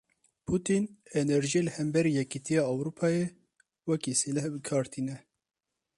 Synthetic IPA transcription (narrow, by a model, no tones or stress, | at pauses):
pʰut̪inɛnɛɾʒielɨhɛmbɛɾiːjɛkit̪ʰijɑːɑwɾupʰɑːje | wɛkiselɛhbɨkʰɑːɾt̪ʰiːnɛ